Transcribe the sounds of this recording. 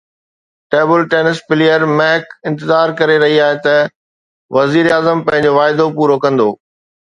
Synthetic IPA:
ʈeːbəlʈeːnɪspɪlijəɾmɛɦkɪ̃nt̪ɪzaːɾkɐɾeɾɐɦiaːɦet̪ɐ | ʋɐziːɾaːzəmpɐ̃ɦɪ̃ɲd͡ʑoʋaːɪd̪opuːɾokɐ̃nd̪oː

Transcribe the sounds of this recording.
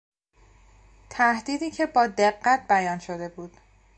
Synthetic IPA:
t̪ʰæhd̪iːd̪iːcʰe̞bɒːd̪e̞ɢːæt̪̚bæjɒːnʃod̪e̞buːd̪̥

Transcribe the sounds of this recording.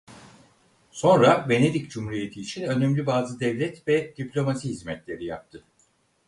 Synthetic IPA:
so̞nɾabe̞ne̞d̪icd͡ʒumhuɾije̞t̪ʰiːt͡ʃʰinø̞nɛmlʲybaːzɯd̪ɛvlʲɛt̪vɛd̪̥iplʲo̞masiɦizmɛt̪lʲe̞ɾijap̚t̪ʰɯ

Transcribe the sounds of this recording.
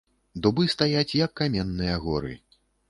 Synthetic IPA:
d̪ubɨst̪ajat͡sʲjɐkːamʲɛnːɨjɐɣɔɾɨ̰

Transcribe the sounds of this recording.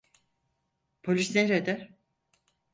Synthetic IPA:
pʰolʲisneɾed̪ɛɾ

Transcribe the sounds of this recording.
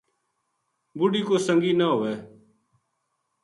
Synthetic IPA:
bʊɖiːkoːsəŋɡiːnaːɦʊːeː

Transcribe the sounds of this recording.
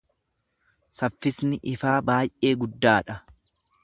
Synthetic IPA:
sɐfːɪsnɪʔɪfaːbaːjʔe̞ːɡʊd̪ːaːᶑɐ

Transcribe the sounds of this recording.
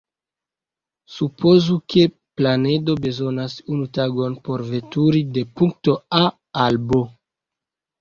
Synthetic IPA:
supʰo̞zuke̞ | plane̞do̞be̞zo̞nasunutaɡo̞npo̞ɾve̞tuɾide̞puŋk̚to̞a | albo̞

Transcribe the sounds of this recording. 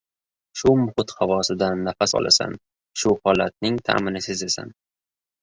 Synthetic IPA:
ʃʊmʊhɪt̪havɒsɪd̪anːafasɒ̰lʔa̰sa̰n | ʃʊhɒlat̪̚nɪŋt̪ʰa̰ːmɪnɪsɪzesa̰n

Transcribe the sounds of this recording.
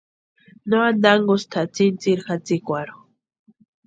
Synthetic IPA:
noand̪aŋɡost̪ʰat͡sint͡siɾxat͡sikʷaɾo

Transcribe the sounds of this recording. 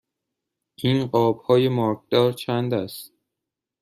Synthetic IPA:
ʔiːnɢɒːbhɒːje̞mɒːɾk̚ʰd̪̥ɒːɾt͡ʃʰænd̪æst̪

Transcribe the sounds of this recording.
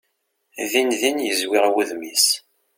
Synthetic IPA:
ðinðinjəzwɪʁwəðmis

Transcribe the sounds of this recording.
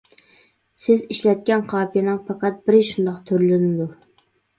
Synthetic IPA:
sɪziʃlɛt̪̚kʲɛnqʰɑːpʰijɑnɨŋpɑqɑt̪̚bɪɾɪʃund̪ɑqt̪ʰøɾlɪnɪd̪u

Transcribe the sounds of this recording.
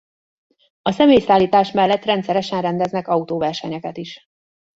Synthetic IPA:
ɒsɛmeːjsaːlːiːt̪aːʃmɛlːɛt̪rɛnt̪sɛɾɛʃɛnrɛnd̪ɛznɛkɒut̪oːvɛrʃɛɲɛkɛt̪iʃ

